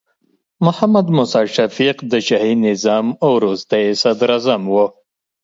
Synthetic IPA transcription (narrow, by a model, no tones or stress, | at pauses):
mʊhamad̪mʊsɑʃafiqd̪əʃahinɪzɑmawɾust̪ajesad̪ɾazamwo